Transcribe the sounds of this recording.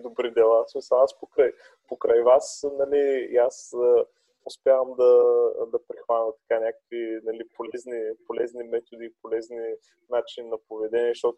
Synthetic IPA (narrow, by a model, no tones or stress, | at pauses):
d̪obɾid̪ɛlˠasmisɐaspokɾaj | pokɾajvasnɐlijasə | ʊspʲjavəmd̪ɐd̪ɐpɾixvanət̪ɐ̥kanʲakə̥kvinɐlipolɛznipolɛznimɛt̪od̪iːpolɛzni | nat͡ʃininɐpovɛd̪ɛniɛʃt̪ɔt̪ʊ